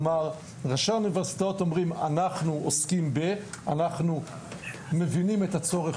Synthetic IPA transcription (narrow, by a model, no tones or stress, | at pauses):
maʁ | ʁaʃauniveʁsi̥t̪aot̪o̞mʁima̰naχnuoskimbeanaχnu | me̞vinimet̪at͡so̞ʁeχ